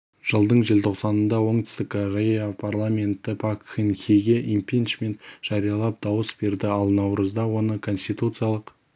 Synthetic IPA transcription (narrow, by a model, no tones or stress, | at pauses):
ʒ̥əlˠd̪əɴʒelt̪ʰo̞qsɑnənd̪ɑwo̞ɴt̪ʰʏ̥st̪ɪkʲʰːoɾejapʰarlˠamʲe̞nt̪ɪpʰakxinxʲiɡʲeʔimpʲijnʃmʲe̞nt̪ʒ̥ɑɾijɑlˠɑp̚d̪̥ɑwəsbe̞ɾd̪ɪɑlˠnɑwɾəzd̪ɑwo̞nəkʰo̞nst̪ijt̪ut̪sɨjalˠəq